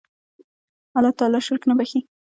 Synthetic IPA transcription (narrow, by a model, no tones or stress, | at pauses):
alɑt̪ɑlɑʃʊɾknabaxi